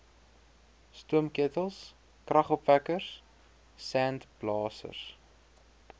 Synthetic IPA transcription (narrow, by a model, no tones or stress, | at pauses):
stuəmkiətəlˠs | krɐχɔpvækərs | sæntb̥lɑːsə̰rs